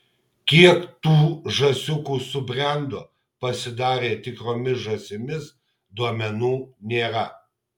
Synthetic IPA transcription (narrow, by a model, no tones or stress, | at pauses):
kʲiɛkt̪uːʒɐsʲʊkuːsʊbʲɾʲɛˑnd̪oː | pɐsʲɪd̪ɑːɾʲeːt̪ʲɪkɾoːmʲɪsʒɐsʲɪmʲɪs | d̪uɔmʲɛnuːnʲeːɾɐ